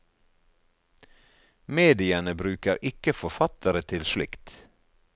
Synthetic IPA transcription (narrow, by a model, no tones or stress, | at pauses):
meːd̪ɪənəbɾʉːkəɾʔɪkəfɔfɑt̪əɾət̪ʰɪlʃlɪ̰kt̪